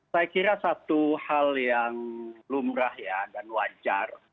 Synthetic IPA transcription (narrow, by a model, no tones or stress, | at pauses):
sajakiɾasat̪uhaljaŋlumɾahjadanwad͡ʒa̰r